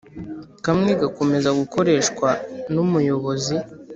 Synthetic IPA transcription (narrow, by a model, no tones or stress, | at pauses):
kamŋeɡako̞me̞zaɡuko̞ɾe̞ːʃkwanumujo̞βo̞zi